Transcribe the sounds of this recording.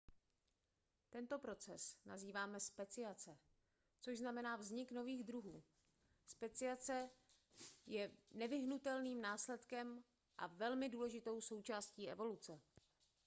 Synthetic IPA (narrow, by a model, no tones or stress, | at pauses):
t̪ɛnt̪o̞pɾo̞t͡sɛsna̰ziːvaːmɛspɛt͡sɪjat͡sɛ | t͡soʃʒznamɛnaːvzɲɪkno̞viːɣd̪ɾuɦuː | spɛt͡sɪat͡sɛ | jɛnɛvɪɦnut̪ɛlniːmnaːslɛt̪kɛm | ʔa̰vɛlmɪduːlɛʒɪt̪o̞wso̞wt͡ʃaːsciːʔɛ̰vo̞lut͡sɛ